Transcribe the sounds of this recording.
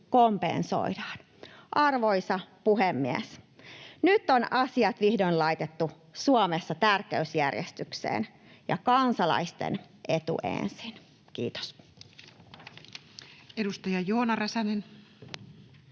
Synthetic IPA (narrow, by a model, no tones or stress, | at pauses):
kompḛnso̰idɑːn | ʔɑrʋojsɑpuɦemːiḛs | nyt̪ːonɑsiɑt̪ʋihdoinlɑjt̪et̪ːu | suomesːɑt̪ærkeysjærjest̪yksḛːn | jɑ̰kɑnsɑlɑ̰ist̪ḛn | ʔe̞t̪ṵʔḛnsin | kḭːt̪o̥s | edust̪ɑjɑjoːnɑrɑsɑnen